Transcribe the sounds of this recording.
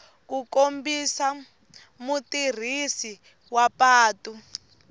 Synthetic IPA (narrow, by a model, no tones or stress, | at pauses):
kukombisa | mutir̤isi | wapaːtu